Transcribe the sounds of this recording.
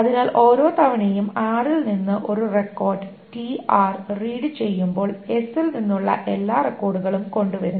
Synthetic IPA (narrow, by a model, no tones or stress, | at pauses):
ɐðinaːlʔo̞ːɾo̞ːt̪ɐʋɐɳejumaːrilninːɨʔo̞ɾurekːo̞ːrɖɨ | ʈiaːrriːɽɨt͡ɕe̞jːumbo̞ːɭe̞silninːuɭːɐ̰ʔe̞lːaːrekːo̞ːrɽuɣɐɭumko̞ɳɖuʋɐɾunː